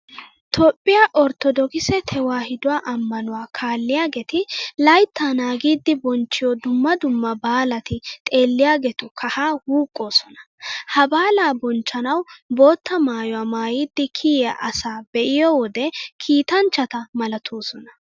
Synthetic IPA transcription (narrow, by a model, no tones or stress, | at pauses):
t̪ʰoːpʼːɪjaʔɔɾt̪ɔd̪ɔkɪsɛt̪ʰɛwaːhɪd̪ʊwaːʔɐmːɐnʊwaːkʰaːlːɪjaːɡɛt̪ɪlɐjt̪ːanaːɡiːd̪ːɪbɔnt͡ʃːɪjɔd̪ʊmːɐd̪ʊmːɐbaːlɐt̪ɪt̪ʼe̞ːlːɪjaːɡɛt̪ʊkʰɐhaːhuːkʼːo̞ːsɔnɐ̥ | hɐbaːlaːbɔnt͡ʃːɐnɐwbo̞ːt̪ːɐmaːjɔwaːmaːjiːd̪ːɪkʰijɛʔɐsaːbɛʔɪjɔwɔd̪ɛkʰiːt̪ɐnt͡ʃːɐt̪ɐmɐlɐt̪ʰoːsɔnɐ